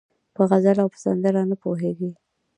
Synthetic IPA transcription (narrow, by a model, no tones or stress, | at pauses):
pəɣazalawpə̥sand̪aɾanəpoɦeɡi